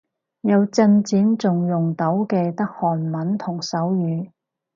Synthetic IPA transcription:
jɐ˨˧wt͡sɐ˧nt͡siː˨˥nt͡sʊ˨ŋjʊ˨˩ŋt̪ɐ˨˥wkɛː˧t̪ɐ˥k̚hɔː˨˩nmɐ˨˥nt̪ʰʊ˨˩ŋsɐ˨˥wjyː˨˧

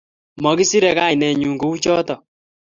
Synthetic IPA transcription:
mɔ˨ki˦si˦ɾɛ˨ka˦i˨nɛ˨ɲu˨ŋɡu˦u˦t͡ʃɔ˦tɔ˨

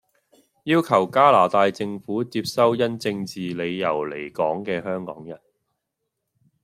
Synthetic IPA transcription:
jiː˥wkʰɐ˨˩wkaː˥laː˨˩t̪aː˧jt͡sɪ˧ŋfuː˨˥t͡siː˧p̚sɐ˥wjɐ˥nt͡sɪ˧ŋt͡siː˨le˨˧jjɐ̰˨˩wle˨˩jkɔː˨˥ŋkɛː˧hœː˥ŋkɔ̰ː˨˥ŋjɐ̰˨˩n

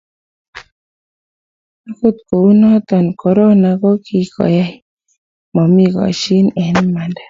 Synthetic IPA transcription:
a˦ko˦˨t̪̚ko˨˦nɔ˦t̪ɔ˨nkɔ˨ɾɔ˦na˨kɔ˦ki˦kɔ̰˨ja˦i˦ | mɔ˨mi˦˨kɔ̰˨ʃi˦nɛ˨nma˨nda˦

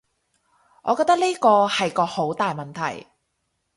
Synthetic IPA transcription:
ʔɔː˨˧kɔː˧k̚t̪ɐ˥k̚liː˥kɔː˧hɐ˨jkɔː˧ho˨˥wt̪aː˨jmɐ˨nt̪ʰɐ̰˨˩j

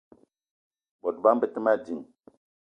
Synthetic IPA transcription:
bɔ˨t̚ba˦mbə˨ti˦ma˦d͡ʒi˨ŋ

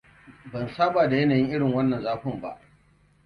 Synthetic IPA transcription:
bɐ˨nsaː˦baː˨da˨jɐ˦naː˨jɪ˦ŋʔɪ˦ɽɪ˨ŋwɐ˦nːɐ˨nzaː˦ɸʊ˨mba̰˦ʔ

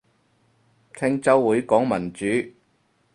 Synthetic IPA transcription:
kʰɪ˥ŋt͡sɐ˥wwuː˨˥jkɔː˨˥ŋmɐ˨˩nt͡ʃyː˨˥

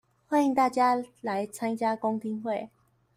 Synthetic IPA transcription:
hxwa˥˦ni˧ŋt̪a˥˩t͡ɕja˦la˨˦jt͡sʰã˥˦nt͡ɕja˦ko˦ŋt̪ʰi˧˥ŋxwe˥˨˩

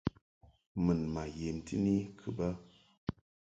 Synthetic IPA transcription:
mɨ˨nma˨je˨n̩˨ti˦ni˦kʰɨ˨ba˦

